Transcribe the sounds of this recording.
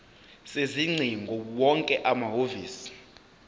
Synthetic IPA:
seziŋ͡ǀʱiŋɡʱɔwɔŋkʼɛʔamaɦoviːsi̥

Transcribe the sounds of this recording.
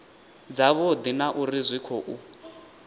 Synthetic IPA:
d͡zaβɔd̪inaʔurizʷwikʰɔʔu

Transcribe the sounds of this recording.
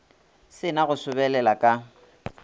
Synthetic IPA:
sɪnaɣʊsʊbɛlɛlakʼa

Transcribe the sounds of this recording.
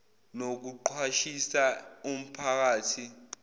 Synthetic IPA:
nok̬uǃʰwaʃisaum̩pʰak̬aːtʰi

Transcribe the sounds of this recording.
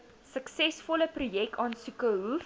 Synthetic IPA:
səksɛsfɔləprujɛk̚tɑːnsukəɦu

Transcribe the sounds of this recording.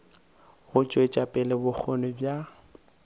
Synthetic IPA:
ɣʊt͡ʃʼwet͡ʃʼapʼɛlɪbʊk͡xʰɔnɪbja

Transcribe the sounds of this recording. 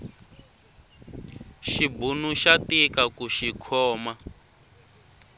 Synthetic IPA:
ʃibunuʃatikakuʃikʰɔːma

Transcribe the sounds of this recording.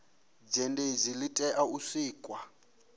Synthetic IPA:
d͡ʒɛndezilitʼɛʔausiːkʼwa

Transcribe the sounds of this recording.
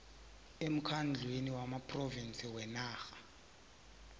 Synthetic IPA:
em̩kʰand͡ɮʱweniwamapʼrovint͡sʰʼiwɛnaːxḁ

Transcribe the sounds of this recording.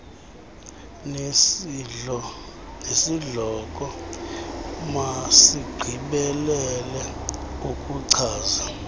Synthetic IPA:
nesiɮɔk̬ʼɔ | masiɡ͡ǀʱiɓɛlɛlɛukʼuǀʰaːza

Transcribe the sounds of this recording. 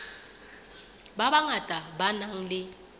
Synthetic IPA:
baβaŋatʼabanaŋ̩lɪ

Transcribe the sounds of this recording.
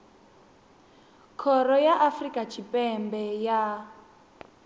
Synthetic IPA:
kʰɔrɔjaʔafrikat͡ʃʰipʼɛmbɛja

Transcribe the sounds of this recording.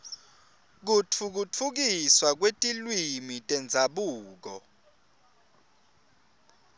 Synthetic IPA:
k̬ut͡fʰuk̬ut͡fʰuk̬iswak̬wetʼilwimitʼɛnd͡zʱaɓuːk̬ɔ

